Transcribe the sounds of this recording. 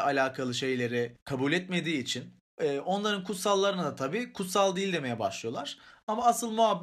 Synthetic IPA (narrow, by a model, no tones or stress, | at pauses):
alʲaːkʰalˠɯʃe̞jlʲe̞ɾɪkʰabuːlʲɛt̪me̞d̪iːt͡ʃʰin | ɛːʔo̞nlˠaɾɯnkʰut̪salˠːaɾɯnad̪at̪ʰabiːkʰut̪salˠd̪ilʲd̪e̞me̞jɛbaʃlˠɯjo̞lˠaɾ̥amaasɯlˠmuabː